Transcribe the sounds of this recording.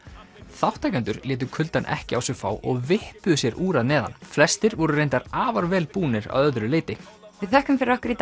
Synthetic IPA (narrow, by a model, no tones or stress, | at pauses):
θawht̪ːajkant̪ʏɾlɛːt̪̬ʏkʰʏlt̪anʔɛ̰hcɪawsjɛɣfa̰ːwʔɔɣvɪhpʏðʏsjɛɾʔuːɾaðnɛːða̰nflɛst̪ɪɾvɔɾʏɾejnt̪aɾaːvaɾvɛːlpuːnɪɾa̰wœðɾʏleːjt̪ɪ | vɪðθɛhkʏmfɪɾɪɾɔhkʏɾit̪